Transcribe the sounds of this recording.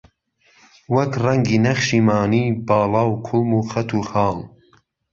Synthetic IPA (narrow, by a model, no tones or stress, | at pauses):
wɐkrɐŋɡiːnɐχʃiːmɑːniːbɑːlɑːwkʰʊlmuːxɐt̪ʰuːxɑːl